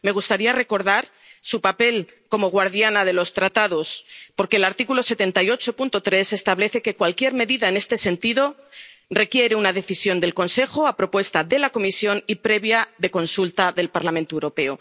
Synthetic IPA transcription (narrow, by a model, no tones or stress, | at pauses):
me̞ɣ̞ust̪aɾiare̞ko̞ɾðaɾ | supape̞lko̞mo̞ɣ̞waɾðjanað̞e̞lo̞st̪ɾat̪aðo̞spo̞ɾkeːlaɾt̪ikulo̞se̞t̪e̞nt̪ajo̞t͡ʃo̞punt̪o̞t̪ɾe̞se̞st̪aβle̞θe̞ke̞kwalkje̞ɾme̞ðiðaene̞st̪e̞se̞nt̪iðo̞re̞kje̞ɾeunaðe̞θisjo̞nd̪elko̞nse̞xoapɾo̞pwe̞st̪aðe̞lako̞misjo̞nipɾe̞βjaðe̞ko̞nsult̪aðe̞lpaɾlamẽnt̪oewɾo̞pe̞o